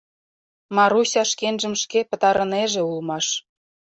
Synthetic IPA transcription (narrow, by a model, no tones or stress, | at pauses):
mɑɾusʲɑʃkenʒə̆mʃkepə̆t̪ɑɾəneʒĕulmɑʃ